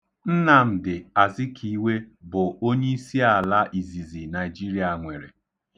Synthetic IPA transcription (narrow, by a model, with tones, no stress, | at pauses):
n̩˦na˨m̩˨dɪ˨a˨zi˦kʰi˦we˦bʊ˨o˦ɲe˦i˦si˦a˨la˦ʔi˨zi˨zi˨na˨ɪ˨d͡ʒi˦ɾi˨˦a˨ŋʷe˨ɾe˨